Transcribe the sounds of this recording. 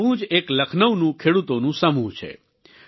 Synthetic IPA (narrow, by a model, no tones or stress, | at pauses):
ũd͡ʒekləkʰnəʋnũkʰeɽut̪onũsəmũt͡ʃʰḛ